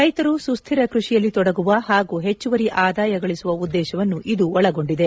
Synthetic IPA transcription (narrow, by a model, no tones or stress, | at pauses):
ɾɐjt̪ɐɾusust̪ʰiɾɐkɾuʂijɐlːit̪ɔɽɐɡuʋɐɦaːɡuːɦe̞t͡ʃːuʋɐɾiʔaːd̪aːjɐɡɐɭisuʋɐud̪ːɛːʃɐʋɐnːuʔid̪uɔɭɐɡo̞ɳɖid̪e̞